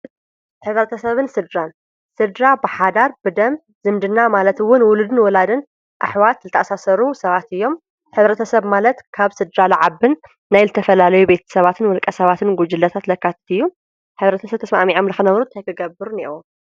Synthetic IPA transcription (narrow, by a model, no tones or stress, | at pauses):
ħɨβɾɐt̪ʰɐsɐβɨnsɨd̪ɾan | sɨd̪ɾabɨħad̪aɾbɨd̪ɐm | zɨmd̪ɨnːamalɐt̪wʊnwʊlud̪ɨnwɔlad̪ɨn | ʔa̰ħwat̪zɨt̪ʰɐʔasasɐɾusɐβat̪ɨjːo̞m | ħɨβɾɐt̪ʰɐsɐβmalɐt̪kʰaβsɨd̪ɾalaʕaβɨnː | ajzɨt̪ʰɐfɐlalɐjube̞t̪ʰɐ̥sɐβat̪ʰɨnwɔlkʼɐsɐβat̪ʰɨnɡud͡ʒɨlɐt̪ʰat̪lɐkːat̪ʰt̪ɨjːu | ħɨβɾɐt̪ʰɐsɐβt̪ʰɐsmaʔmiʕomlɨxɨnɐβɾut̪ʰajkʰɨɡɐbɨɾnḛwom